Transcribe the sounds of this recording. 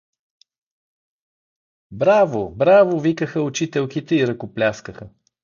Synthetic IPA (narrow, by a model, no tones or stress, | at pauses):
bɾavobɾavovikəxəʊt͡ʃit̪ɛlˠkit̪ɛiɾɐkoplʲaskəxə